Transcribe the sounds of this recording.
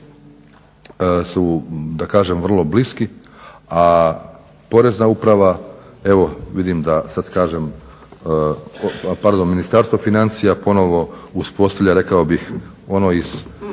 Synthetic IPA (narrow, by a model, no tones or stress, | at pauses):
sud̪akaːʒe̞mʋr̩lˠo̞bliski | a | po̞ɾe̞znaupɾaʋae̞ʋo̞ʋid̪imd̪asad̪kaːʒem | paɾd̪o̞nminist̪aɾst̪ʋo̞finant̪sijapo̞no̞ʋo̞uspo̞st̪aʋʎʲaɾe̞kaobix | o̞noiz̥